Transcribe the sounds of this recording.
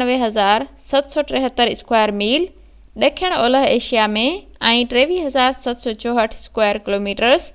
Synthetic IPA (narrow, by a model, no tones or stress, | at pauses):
əʋeɦɐzaːɾsɐt̪sɔʈɾeɦət̪ːəɾɪskwaːjəɾmiːl | ɗɐkʰijəɽ̃ɔːləɦeːʃijamẽ | ɛ̃ːʈɾeːʋiːɦɐzaːɾsɐt̪sɔːt͡ɕɔːɦəʈʰɪskwaːjəɾkɪloːmiːʈəɾz